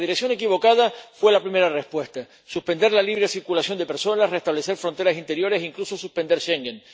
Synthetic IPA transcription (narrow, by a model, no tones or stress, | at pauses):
ðiɾeksjo̞ne̞kiβo̞kað̞afwe̞lapɾime̞ɾarespwe̞st̪a | suspe̞nd̪e̞ɾlaliβɾesiɾkulasjo̞nd̪epe̞ɾso̞nasre̞st̪aβle̞se̞ɾfɾo̞nt̪e̞ɾasint̪e̞ɾjo̞ɾe̞siŋkluso̞suspe̞nd̪e̞ɾʃe̞ŋɡen